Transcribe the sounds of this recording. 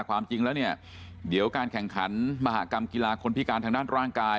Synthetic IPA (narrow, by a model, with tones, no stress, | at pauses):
kwaː˧mt͡ɕi˧ŋlɛː˦˥wni˥˩ɐ | di˩˦əwkaː˧nkʰɛ˨˩ŋkʰa̰˩˦˥nma˧ɦa̰ː˩˦˥ka˧mkiː˧laː˧kʰo˧npʰi˦˥kaː˧nt̪ʰa˧daː˥˩nɾaː˥˩ŋkaː˧